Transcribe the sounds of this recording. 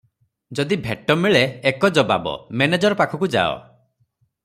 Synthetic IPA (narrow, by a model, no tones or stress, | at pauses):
d͡ʒɔd̪ibʱeʈɔmiɭeːkɔd͡ʒɔba̰bɔ̰mened͡ʒɔɾɔpakʰɔkud͡ʒa̰ɔ̰